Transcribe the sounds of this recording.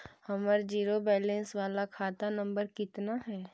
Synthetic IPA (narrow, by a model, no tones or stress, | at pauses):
hɐməɾd͡ʒiːɾobɛːlɛ̃nsʋaːlakʰaːt̪anɐ̃mbəɾkɪt̪naɦɛː